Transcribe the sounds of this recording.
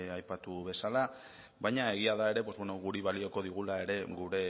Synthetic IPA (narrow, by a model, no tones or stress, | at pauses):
ajpat̪uβe̞sala | βajɲae̞ɣ̞iaðae̞ɾe̞po̞zβeno̞ɣuɾiβalio̞ko̞ðiɣ̞ulae̞ɾe̞ɣuɾe̞